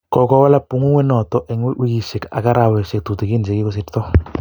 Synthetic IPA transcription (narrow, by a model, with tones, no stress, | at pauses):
kɔ˨kɔ˦wa˦la˦pu˨˦ŋu˦ŋwɛ˦nɔ˨tɔ˦ʔɛ˨ŋ˦wi˦ki˨ʃe˨ka̰˨ka˦ɾa˨wɛ˨ʃɪ˨k̚tu˨te˨ki˦n˨se˨ki˦kɔ˦s̬ɪ˨˦ttɔ˦